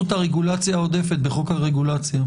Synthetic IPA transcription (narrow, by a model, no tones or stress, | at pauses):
ut̪aʁeɡulat͡sjao̞de̞fe̞t̪̚beχokhaʁeɡulat͡sja